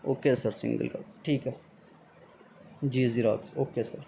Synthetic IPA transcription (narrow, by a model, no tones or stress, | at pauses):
oːkeːsəɾsɪ̰̃ŋɡə̰lɡɐ̰bʈʰiːkɛs | d͡ʒiːziɾa̰ːksoːkeːsəɾ